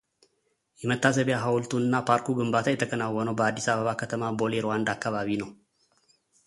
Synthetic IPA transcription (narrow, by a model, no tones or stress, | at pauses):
jɛmət̪ːas̬əβjaɦawlt̪ʰuɨnːapʰaɾkuɡɨmbat̪ʰajɛt̪ʰəkʰənawːɔnəwbəad̪ːisaβəβakʰət̪ʰəmabo̞leɾwand̪akːaβaβinəw